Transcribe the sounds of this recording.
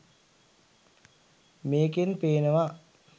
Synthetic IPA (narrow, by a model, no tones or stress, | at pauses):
meːkenpeːnəʋa